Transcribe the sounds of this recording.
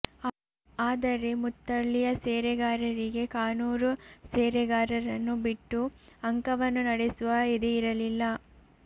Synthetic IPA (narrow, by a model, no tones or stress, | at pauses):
aːd̪ɐɾe̞mut̪ːɐɭːijɐseːɾɛɡaːɾɐɾiɡe̞kaːnuːɾuseːɾɛɡaːɾɐɾɐnːubiʈːuɐŋkɐʋɐnːunɐɽesuʋɐid̪eiɾɐlilːɐ